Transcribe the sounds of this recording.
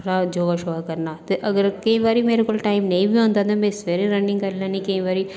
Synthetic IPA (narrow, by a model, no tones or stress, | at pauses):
ɾad͡ʒoːɡaʃoʋakɐɾnat̪eʔɐɡəɾkɐɦĩʋaːɾimeːɾekoːlʈaːɪmnɐĩbʱiɦõːnd̪at̪ãmɛ̃sʋeːɾeɾɐnɖɪ̃ŋɡkɐɾlãnĩkɐĩʋaːɾi